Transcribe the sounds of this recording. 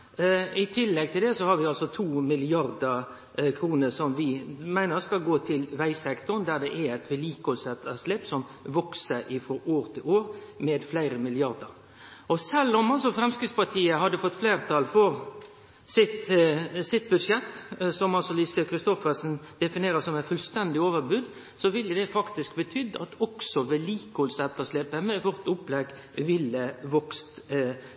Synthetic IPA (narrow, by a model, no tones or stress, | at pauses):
ɪt̪ʰɪlːɛɡ̚t̪ʰɪld̪ɛsɔhɑɾʋɪɑlsɔt̪ʰuːmɪlɪɑɾd̪ə | kʰɾuːnəsɔmʋɪmæɪnəskɑɡoːt̪ʰɪlʋæɪsɛkt̪ʊnd̪æd̪ɛʔææɪt̪ʋɪliːkɔlsɛt̪əsleːpsɔm | ʋɔksəʔɪfɔɾoːɾt̪ʰɪloːɾmɛːd̪flæɪɾəmɪlɪɑɾd̪əɾ | ʔɔsɛlːɔmɑls̬ɔfɾɛmskɾɪt̪spɑt̪ʰiːəɦɑd̪ːəfɔt̪ːflæːʁt̪ʰɑlfɔɾ | sɪt̪sɪt̪̚bʉʂjɛt̪ːsɔmɑlsɔliːsəkʰɾɪst̪ɔfəsnd̪̥ɛfɪneːɾəsɔmæɪfʉlst̪ɛnd̪ɪoːʋəɾbʉːd̪ | sɔʋɪlːəd̪ɛfɑkt̪ɪskbət̪ʰʏd̪ːəʔɑt̪ɔksɔʋɛliːkɔlsɛt̪ːəsleːpəmɛʋɔʁt̪ʊplɛɡ | ʋɪlːəʋɔkst̪